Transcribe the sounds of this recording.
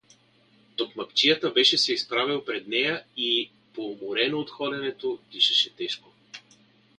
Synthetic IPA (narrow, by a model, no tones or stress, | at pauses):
t̪okmɐpt͡ʃijət̪əbɛʃɛsɛispɾavilˠpɾɛd̪nɛjəi | pomoɾɛnoot̪xɔlɛnɛt̪op̪iʃɛʃɛt̪ɛʃko